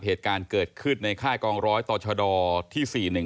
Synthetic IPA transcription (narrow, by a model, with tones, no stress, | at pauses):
p̚heː˨˩t̪̚kaː˧nkɤː˨˩t̪̚kʰɯ˥˩nːa˧jkʰaː˥˩kɔː˧ŋɾɔː˦˥jt̪ɔː˨˩t͡ɕʰɔ˧dɔː˧t̪ʰiː˥˩siː˨˩nɯ˨˩ŋ